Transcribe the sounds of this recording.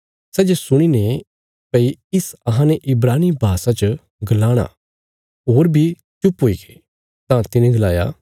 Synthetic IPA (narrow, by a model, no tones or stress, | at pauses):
sɛːd͡ʒesʊɽ̃ine | pɛiɪsɐɦãneʔɪbɾaːnibʱaːsat͡ʃə | ɡɐlaːɽ̃a̰ | ɦoːɾbʱi | t͡ʃʊpɦoːiɡeː | t̪ãt̪ɪnẽɡɐlaːja̰